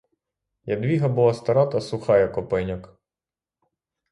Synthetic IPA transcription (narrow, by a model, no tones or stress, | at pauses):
jɐd̪ʋʲiɦɐbulˠɑst̪ɐɾɑt̪ɐsʊxɑjɛkɔpɪnʲɔk